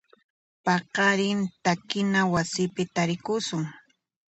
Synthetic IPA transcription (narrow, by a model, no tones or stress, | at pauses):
pɑqɑɾɪnt̪akɪnawasɪpɪt̪aɾɪkʊsʊŋ